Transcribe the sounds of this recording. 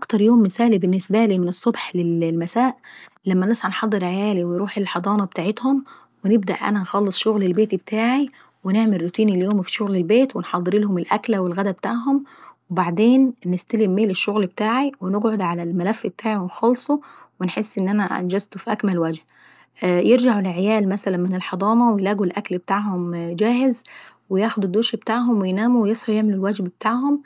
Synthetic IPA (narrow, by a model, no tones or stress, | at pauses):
ʔʔɑkt̪ɑɾˤjoːmːɪsæːlibɪnːɪsbæliːmɪnesˤːobħlellmæsæːʔ | læmːænæsħɑnħɑd̪ˤːɨɾʕajæːliwenɾuːħelħɑd̪ˤɑːnɑbet̪aːʕet̪hom | wenɪb̚d̪æ̰ʔʔæ̰nænxɑlːesˤʃoɣlelbeːt̪ibet̪ʰaːʕi | weneʕmelːʊt̪iːniljoːmfi̥ʃoɣlelbeːt̪wenħɑd̪ˤːɨɾilhʊmɪlʔæklæwelɣæd̪æbet̪aːʕɦomwebaʕd̪eːnːɪst̪ælimːeːleʃːoɣlb̚et̪aːʕiwenoɡʕod̪ʕalælmælæfːbet̪ʰaːʕiwenxɑlsˤowenħesːʔɪnːʔænæʔæ̰nd͡ʒæzt̪ofiʔækmælwæd͡ʒh | jeɾd͡ʒaʕulʕejæːlmæsælænmɪnelħɑd̪ˤɑːmɑwejlæːɡulʔæklbet̪aːʕhʊmd͡ʒæːhɪz | wejæːxod̪ud̪ːoːʃbet̪aːʕɦomwejnæːmuwejesˤħojeʕmelulwæd͡ʒbbet̪aːʕɦom